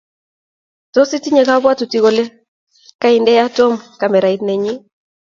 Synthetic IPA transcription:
tɔ˦si˦ti˦ɲe˨ka˦bwa˦tu˨ti˦ɣo˨le˦ | ka˦i˨ndɛ˦ja˦tɔ˦mka˨mɛ˨ɾa˨i˦tne˨ɲi˦

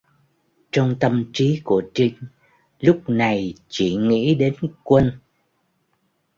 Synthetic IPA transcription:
t͡ɕɔ˧wŋ͡mt̪ə˧˨mt͡ɕi˨˦ku˧˩ət͡ɕi˧ŋ | lʊ˦˥k͡p̚na˨˩jt͡ɕi˧˩ŋḭ˧˥ɗe˨˦nkwə˧n

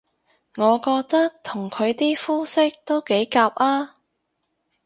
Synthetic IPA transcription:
ŋɔː˨˧kɔː˧k̚t̪ɐ˥k̚t̪ʰʊ˨˩ŋkʰɵ˨˧ɥt̪iː˥fuː˥sɪ˥k̚t̪o˥wke˨˥jkaː˧p̚ʔaː˥

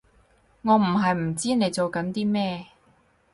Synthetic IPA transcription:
ŋɔː˨˧m̩˨˩ɦɐ˨jm̩˨˩t͡siː˥ne˨˧jt͡so˨wkɐ˨˥nt̪iː˥mɛː˥

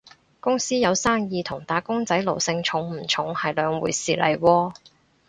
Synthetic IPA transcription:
kʊ˥ŋsiː˥jɐ˨˧wsaː˥ŋjiː˧t̪ʰʊ˨˩ŋt̪aː˨˥kʊ˥ŋt͡sɐ˨˥jlo˨˩wsɪ˧ŋt͡ʃʰʊ˨˧˥ŋm̩˨˩t͡ʃʰʊ˨˥ŋhɐ˨jlœː˨˧ŋwṵː˨˧jsiː˨lʔɐ̰˨˩jwɔː˧

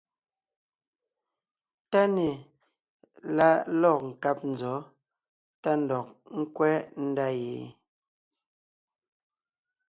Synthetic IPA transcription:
ta˦nɛ˨ | la˦˨lɔ˦˨k̚ŋ̩˨ka˦p̚n̩˨zɔ˨˦ | ta˦n̩˨dɔ˨k̚ŋ̩˦kwɛː˦n̩˦da˦jeː˨

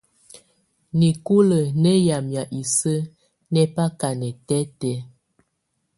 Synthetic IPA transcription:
ni˨ku˦lə˨nɛ˦ja˨mja˨ʔi˨sə˦ | nɛ˦pa˦ka˨nɛ˨tɛ˦tɛ˨˦

